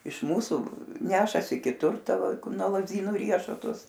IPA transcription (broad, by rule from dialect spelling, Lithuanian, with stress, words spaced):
ɪʃ ˈmuːsuː ˈnʲæːʃɐsʲɪ kʲɪˈtʊr ˈtɐ ˈʋɐ ˈkʊr nuɔ lˠɐzʲˈdʲiːnuː ˈrʲiɛʃʊtʊs